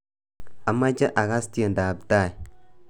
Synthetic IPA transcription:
a˨mːa˦d͡ʒa˦ʔa˨ka˦sti˦e˨nda˨bta˦˨i˨

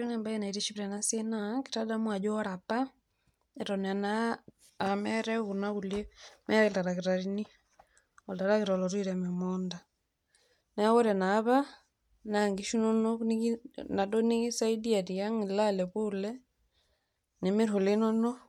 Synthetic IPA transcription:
ɾɛ˦ŋɛ˨mba˦ɛna˨i˨ɾeʃi˦βɾɛ˨nasenaki̥tada˦mwa˨d͡ʒɔ˦ɾapa˦ | ɛ˨ɾɔnɛa˨na | mɛɾɛ˦ɣuna˦ɣu˨lɛ˦mɛ˦ae˨la˨ɾaɣe˨ɾaɾi˦ni˦ | ɔ˨ltaɾa˦ɣeɾa˨lɔɾwi˦ɾɛmɛmɔnda | nɛa˦ɣɔ˦ɾɛ˨naː˨βa˦ | naŋɡiʃu˦nɔnɔnna˨dɔ˦ni˦ɣi˦sa˦i˦di˦a˨ɾia˦ŋilalɛβulɛ˦ | ne˨me˦ɾo˨lenɔnɔ˦

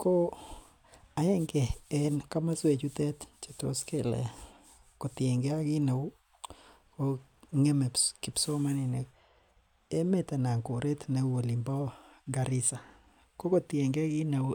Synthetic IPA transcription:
ko˦ | a˨ɛ˦ŋɡe˨ɛ˦nka˦ma˦swe˨t͡ʃu˦t̪ɛ˦t̪t͡ʃe˨t̪o̰˨ske˨lɛ̰˨ | ko˨t̪je˨ŋɡe˦a˦ɡɪ˦ne˨o˦ | ko˦ | ŋe˦me˨ki˨pso˦ma˦nɛ˨ne˨ | e˦me˦t̪a˨na˨ŋko˨ɾʔe˦t̪ne˨wo˨li˨mbɔ˦ɡa˨ɾɪ˦sa˨ | ko˦ko˨t̪je˨ŋɡe˦a˦ɡɪ˦ne˨˦

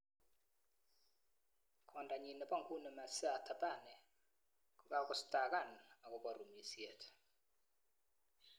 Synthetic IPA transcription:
kʰɔ˨nda˨ɲi˨nɔ˨pa˦˨ŋɡu˦ne˨ma˨sa˦˨tʰa˨ba˦˨nɛ˨ | ka˦kɔ˦sta˨ɡa˦˨na˨kɔ˨bɔ˨ɾu˨mi˨sje˨t

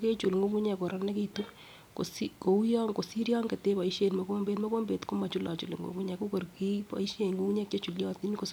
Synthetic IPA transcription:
ke˦t͡ʃu˨lŋɡo˦ku˦ɲɛ˨kɔ˨ɾɔ˦nɛ˦ke˦tu˦ | ko˨siko˨u˦jɔ˦ŋko˨si˦ɾjɔ˦ŋke˨te˦pa˨i˦ʃe˨nmɔ˦ko˦mbe˦tmɔ˦ko˦mbe˨tko˦ma˨t͡ʃu˦la̰˨t͡ʃu˨lḛ˨ŋɡo̰˨ku˦ɲɛ˨ko˦ko˨rki˦pa̰˨i˦ʃe˦˨ŋɡu˦ku˦ɲɛ˦ke˦t͡ʃu˨ljɔ˦ti˦nko˨s

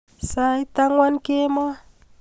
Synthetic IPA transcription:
sa˦i˦t̪a˦ŋwa˦nke˦mɔ˦

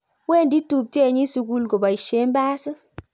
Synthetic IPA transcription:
we˦˨ndi˦tu˨p̚te˦˨ɲi˦su˧ɡu˧lɡo˨ba˨i˨ʃe˦mba˦sɨ˦

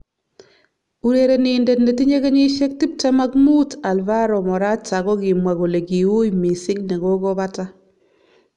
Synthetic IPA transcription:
u˨ɾe˨ɾe˨ni˨ndɛ˨tne˨ti˦ɲe˦ɣe˦ɲi˦ʃe˦k̚ti˦p̚ta˦ma˦kmu˦ta˨lva˦ɾɔ˨mɔ˨ɾa˦t͡ʃa˨ɣɔ˦ɣɪ˨mwa˨ɣo˨le˨ɡi˨u˦jmi˨sɪ˦knɛ˨ɣo˦ɣɔ˦βa˦ta˦

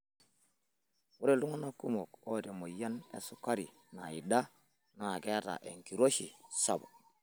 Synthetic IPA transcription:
wu˦ɾe˦˨lu˦ŋa˦na˦ku˦mo˨ko˦te˨mo˨ja˦nḛ˨su˦ka˦ɾi˨ | na˨ji˨da˦ | na˨ke˦a˦ta̰˨ʔḛ˨ŋki˨ɾo˦ʃi˨sa˦˨bo˨

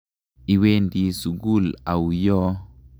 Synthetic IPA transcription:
i˨we˦ndi˨su˨ɡu˦˨la˨wu˨jɔ˦

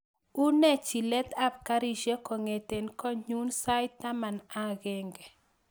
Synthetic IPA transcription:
u˦nɛ˦t͡ʃi˨lɛ˦t̪a˦p̚ka˦ɾi˨ʃe˦kɔ˨ŋe˨te˨nkɔ˦ɲu˦nsa˦jt̪a˦ma˨na˦ɣɪ˦ŋɡɛ˨

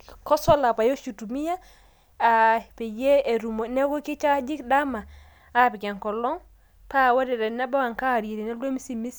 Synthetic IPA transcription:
kɔ˦sɔ˦la˨pa˨jo˦ʃu˨tu˨mi˦ja˦ | a˨pe˨je˦e˨ɾu˨mo˨nɛ˦kɔ˦ki˦t͡ʃa˦d͡ʒi˦kda˦maː˨˦˨ | pi˨kɛ˨ŋkɔ˨lɔ˦ŋ | pa˦˨wa˦dɛ˨ɾɛ˨na˦ba˦wa˨ŋka˦˨ɾe˨ɾi˨nɛ˦ldo˦mi˦si˦mi˦s

